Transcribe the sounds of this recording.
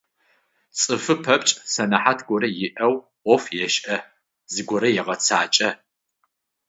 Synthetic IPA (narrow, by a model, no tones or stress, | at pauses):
t͡sʼɨfɨpʰɐpʼt͡ʃʼsɐnɐħatʰɡʷɔɾɐjɪʔɐw | ʔʷɔfjɛʃʔɐ | zɨɡʷɔɾɐjɛʁɐt͡sʰaːt͡ʃʼɐ